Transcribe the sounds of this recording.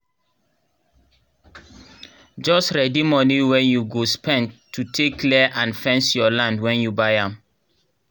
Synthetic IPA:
d͡ʒɔstɹɛdimɔniwɛ̃njuɡospʰɛ̃ntʰːutʰekʰlɛʔãnfɛ̃nsjɔlãndwɛ̃njubaɪãm

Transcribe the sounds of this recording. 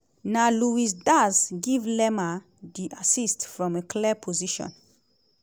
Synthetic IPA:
naluis̬dazɡivlɛma | diʔasistfɹɔ̃mekʰlɛpʰoziʃɔ̰̃n

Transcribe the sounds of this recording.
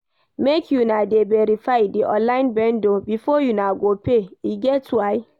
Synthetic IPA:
mekʰjunadebeɾifaɪdiʔɔ̰̃nlaɪ̃nbɛ̃ndobifɔjunaɡopeiɡɛtwaɪ

